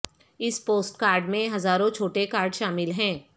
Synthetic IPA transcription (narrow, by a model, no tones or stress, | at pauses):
ɪspoːsʈkaːɾɖmẽɦɐzaːɾõt͡ʃʰoːʈekaːɾɖʃaːmɪlɦɛ̃ː